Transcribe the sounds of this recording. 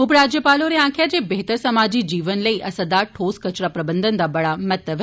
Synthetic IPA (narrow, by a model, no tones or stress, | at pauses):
ʊpɾad͡ʒjəpaloneãːkʰjad͡ʒʰebeɦt̪əɾsəmad͡ʒid͡ʒiːʋənləiʔɐsəd̪aʈʰoːskət͡ʃɾapɾɐbənd̪ʱənd̪abɐɭamət̪əʋ